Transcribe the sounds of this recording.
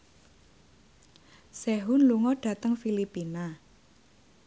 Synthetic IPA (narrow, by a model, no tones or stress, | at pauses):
seɦunluŋɔɖ̥a̤t̪əŋfilipina